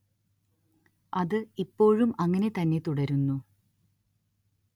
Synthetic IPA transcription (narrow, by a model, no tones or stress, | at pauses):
ɐðɨipːo̞ːɻumɐŋːɐne̞t̪ɐnːe̞t̪uɽɐɾunːu